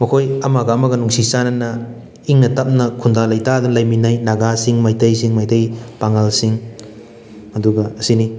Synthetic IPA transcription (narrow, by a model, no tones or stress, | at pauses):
mɐkʰojɐmaɡɐːmɐɡɐnuŋsisanɐnɐ | iŋnɐtɐp̚nɐkʰundalajtadunlajminajnaɡasiŋmajtɐjsiŋmajtɐjpaŋalsiŋ | hɐduɡɐɐsini